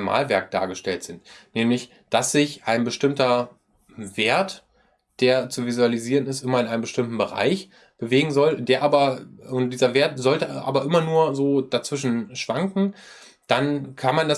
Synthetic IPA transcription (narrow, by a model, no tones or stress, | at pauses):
ma̰ːlvɛɐk̚d̥a̰ːɐɡəʃtɛltz̥ɪntnɛːmlɪç | d̥asz̥ɪçʔaɪnbəʃtɪmtɐ | veːɐt | d̥eːɐt͡suvizualiziːʁənɪstʔɪmɐɪnʔaɪnəmbəʃtɪmtn̩bəʁa̰ɪç | b̥əveːɡŋ̩zɔldeːɐʔaːbɐʊnt̚d̥iːzɐveːɐtzɔltəʔa̰ːbɐʔɪmɐnuːɐzoːd̥at͡sv̥ɪʃn̩ʃv̥aŋkŋ̩ | d̥ankʰanmanda